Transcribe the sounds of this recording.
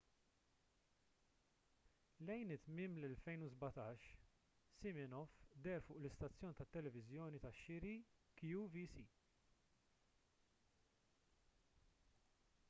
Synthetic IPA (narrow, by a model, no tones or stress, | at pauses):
lɛjnɪt̪ːmɪːmlɛlfɛjnuzbɐt̪ɐːʃ | sɪmɪnɔfd̪ɛɾfʊːʔlɪst̪ɐt͡sːjɔːnit̪ɐt̪ːɛlɛvɪzjɔːnit̪ɐʃːɪɾikjuvisiː